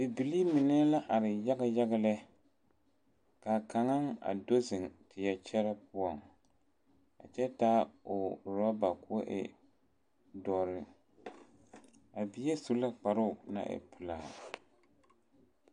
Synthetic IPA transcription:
bɪ˨bi˨li˦mi˨nɛ˦la˦ʔa˨ɾɪ˨ja˦ɡa˦ja˦ɣa˦lɛ˦ | ka˨ka˨ŋa˦ŋa̰˨do˦zɨ˨ŋtɪ˨jɛ˨t͡ʃɛ˦ɾa˦pʊ˦ɔ˨ŋ | a̰˨t͡ʃɛ˦taː˦o˨ɾa˦ba˨ku˦ʔɛ̰˨ | dɔ˨ɾɪ˦ | a˨bi˨jɛ˦su˦la˦k͡pa˨ɾʊ˦˨na̰˦ʔɪ̰˨pʊ˨la˨

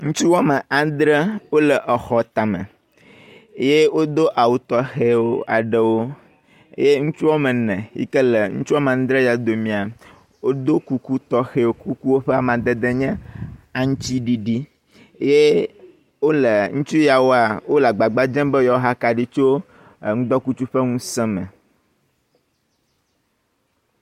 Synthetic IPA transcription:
ŋũ˦t͡ʃu˦wɔ˦mə˨ʔa˨d̪ɾɛ˦wo˦lə˨ʔɛ˨xɔ˨t̪a˨mə̰̃˨˦ | je˦wo˦d̪o˦ʔa˨wu˨t̪ɔ˦xe˦wo˦a̰˨ɖə˨wo̰˦ | je˦ŋũ˦t͡ʃu˦wɔ˦mə̃˨nɛ̃˨ḭ˦kə˦lə˨ŋṵ̃˦t͡ʃu˦wa˦mɛ˨ã˨n˦d̪ɾɛ˦ja˨d̪o˨mĩ˨a˨ | wo˦d̪o˦ku˦ku˦t̪ɔ˦xe˦wo˦ku˦ku˦wo˦ɸe˦a˨mã˨d̪e˦d̪e˦ɲɛ̃˦a˨ŋũ˦t͡ʃi˦ɖi˨ɖi˦ | je˦ | wo˦lɛ˨ŋũ˦t͡ʃu˦ja˨wo˦a˨wo˦la˨ɡ͡ba˨ɡ͡ba˦d͡ʒɛ̃˦mbɛ˦jɔ˨˦ɦa˦ka˨ɖi˦t͡ʃo˦˨ | ŋũ˦ɡ͡b̪ɔ˦ku˦t͡ʃu˦ɸɛ˦ŋũ˦sɛ̃˦mɛ̰̃˨

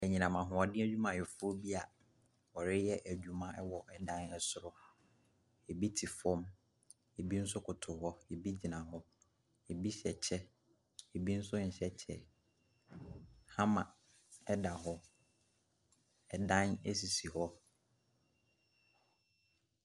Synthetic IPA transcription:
ɛ˨ɲĩ˨nã˨mã˨ɦʊ̃˨ɔ˨dɪ̃˦æ˦d͡ʑᶣu˦mã˨ɛ˨fʊ˦bi˦a˨ | ɔ˨ɾɪ˦jɛ˦ʔæ˨d͡ʑᶣu˨mã˦ɛ˦wɔ˨ʔɛ˨dã˦nɛ˦sʊ˨ɾʊ˦ | e˨bi˦tʰi˨fɔ̃˦m | e˨bi˦n̩˦s̬ʊ˦kʰʊ˨tʰʊ˨ɦɔ˦e˨bi˦d͡ʑi˨nã˨ɦɔ˦ | e˨bi˦ɕɛ˨t͡ɕʰɛ˦ | e˨bi˦n̩˦sʊ˦ɲ̩˨ɕɛ˦t͡ɕʰɛ̰˨ | hã˦mã˨ | ɛ˦da˨ɦɔ˦ | ɛ˨dã˦nɛ̰˦s̬i˨si˨hɔ˦

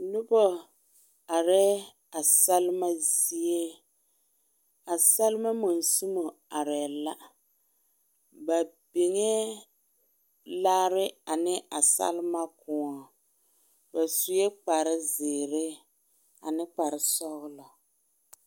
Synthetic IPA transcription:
nʊ˦bɔ˦ | a˨ɾɛ˦ | a˨sa˦lma˦zi˦e˦ | a˨sa˦lma˦mo˨nsu˦mo˨ | a˨ɾɛ˨la˦ | ba˨bɪ˨ŋɛ˦ | laː˦ɾɪ˦a˨nɪ˦ʔa˨sa̰˦lma˦kʰʊ˨ɔ˨ | ba˨su˨jɛ˦k͡pa˨ɾɪ˦zɪː˨ɾɪ˦ | a̰˨nɪ˦k͡pa˨ɾɪ˦sɔ˦ɣlɔ˨

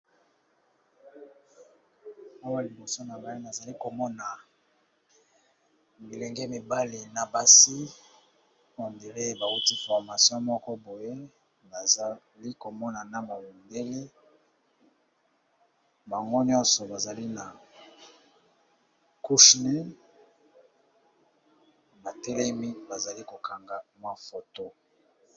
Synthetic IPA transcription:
o˦wa˦li˨bo˨so˦na˨ma˨˦i˦na˨za˨li˦ko˨mɔ˦na˨ | bi˨lɛ˨ŋɡe˦mi˨ba˦le˨na˨ba˨si˦ | o˨nde˨le˦ba˨u˦ti˦fɔ˨ʁma˨sjɔ̃˦mɔ˦kɔ˦bo˨je˦ | ba˨za˨ | li˦ko˨mɔ˦na˨na˦ma˨wu˨nde˦le˦ | ba˨ŋɡo˦ɲɔ˦nsɔ˨ba˨za˨li˦na˨ | ku˦ʃne˦ | ba˨tɛ˦lɛ˦mi˦ba˨za˨li˦ko˨kʰa˨ŋɡa˨mwa˦fo˨to˦

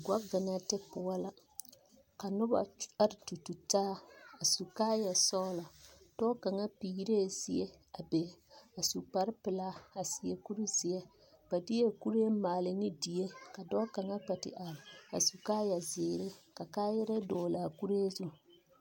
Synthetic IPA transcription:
ɡʷa˦bvɪ˨na˦tɪ˦pʊ˨a˦la˦ | ka˨nʊ˦ba̰˨a˦ɾɪ˨tu˨tu˨taː˦a˨su˨kaː˦ja˨sɔ˦ʊ˦la˨ | d̥ɔ˦ka˨ŋa˦piː˨˦ɾeː˦˨zɪ˨je˦ | a˨be˨a˨su˨k͡pa˨ɾɪ˦pɪ˨la˦a˨sɪ˨e˨ku˦ɾi˦zi˨e˦ | ba˨di˦e˦ku˦ɾe˦maː˨lɪ˨nɪ˦di˨je˦ka˨dɔː˦ka˨ŋa˦k͡pa˨tɪ̰˨ʔa˨ɾɪ˨a̰˨su˨kaː˦ja˨zeː˨ɾe˦ka˨kaː˦jɛ˦ɾa˦dɔː˨la˨ku˦ɾe˦zu˦

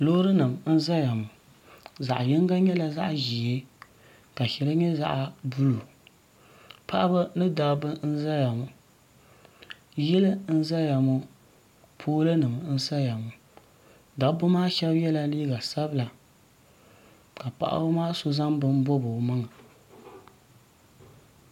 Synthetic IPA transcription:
lo˦ɾɨ˦nɨ˨m˨n̩˦za˦ja˨mʊ˨ | za̰˨ʔjɪ˦ŋ˦ɡa˦ɲɛ˦la˨za˦ʔʒi˨e˦ | ka˨ʃɛ˨lɨ˦ɲɛ˦za̰˦ʔa˨bu˦lu˨ | pa˦ʔa˦bɨ˦nɨ˦da˨bɨ˦n̩˦za˦ja˨mʊ˨ | jɪ˦lɨ˦n̩˦za˦ja˨mʊ˦ | pʰoː˦lɨ˦nɨ˨mɨ˨n̩˦sa˦ja˨mʊ˨ | da˨˦bɨ˦maː˦ʃɛ˦bjɛ˦la˦liː˦ɡa˨sa˦bɨ˦la˨ | ka˨pa̰˨ʔa̰˦bɨ˦maː˦so˦za˦mbɨ˦m˦bo˦bʊ˨mɨ˦ŋa˨

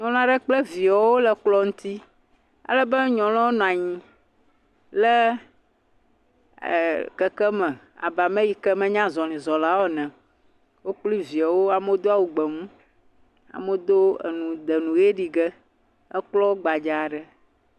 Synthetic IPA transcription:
ɲɔ̃˨lɔ̃˦a˦ɖɛ˦k͡ple˦vi˨a˨wo˦lɛ˨k͡plɔ˦ŋũ˦t̪i˦ | a̰˨lə˦bə˦ɲɔ̃˨l̃ɔ̃˦wo˦nɔ̃˨a˨ɲĩ˦ | lɛ˦˨ | kɛ˦kɛ˦mɛ̃˨ | a̰˨ba˨mẽ˦ji˦˨kɛ˦mɛ̃˦ɲã˦zɔ˨nĩ˨zɔ˨la˦wɔ˦nɛ̃˨ | wo˦k͡pli˦vi˨a˨wo˦a˨me˦d̪o˦a˦wu˨ɡ͡bɛ˨mũ˦ | a̰˨me˦d̪o˦ḛ˨nũ˨d̪ɛ˨nũ˨je˦ɖi˨ɡɛ˦ | ɛ˦k͡plɔ˦wo˦ɡ͡ba˨d͡ʒa˨ɖɛ˦

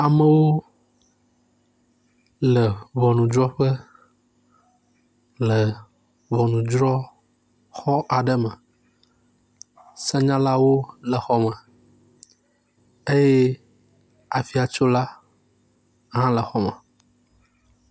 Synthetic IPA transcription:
a˨mə̃˨wo˦ | lə˨βɔ˨nũ˨d͡ʒɾɔ˦ɸə˦ | lə˨ | βɔ˨nũ˨d͡ʒɾɔ˦ | xɔ˦ʔa˨ɖə˦mə̃˨ | sɛ˦ɲã˦la˦wo˦lə˨xɔ˦mə̃˨ | e˦jɛ˦ | a˨fi˨a˨t͡ʃo˦la˦ | ɦã˦lə˨xɔ˦mə̰̃˨

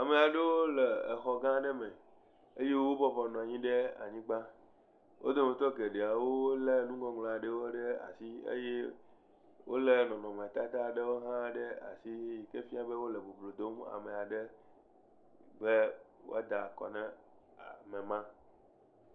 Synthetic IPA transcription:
a˨me˨a˨ɖe˦wo˦lɛ˨e˨xɔ˨ɡã˦ɖɛ˦mɛ̃˨ | e˦je˦wo˦bɔ˦bɔ˨nɔ̃˨a˨ɲĩ˦ɖe˦a̰˨ɲĩ˦ɡ͡ba˦ | wʔo̰˦d̪o˦mẽ˨t̪ɔ˦ɡe˨ɖe˨a˨wo˦le˦nũ˦ɡɔ˦ŋla˨ɖe˦wo˦ɖe˦a̰˨si˦ḛ˦je˦ | wo̰˦le˨nɔ̃˨nɔ̃˨m˨t̪a˦t̪a˦˨ɖe˦wo˦ɦã˦ɖe˦a̰˨si˦ji˨ke˦fi˦a˨be˦wo˦lɛ˨bo˨blo˨d̪o˦ma̰˨me˨a˨ɖe˦ | be˦wo̰˦a˦d̪a˨kɔ̰˨nɛ̃˦ | a˨mẽ˨mã˦

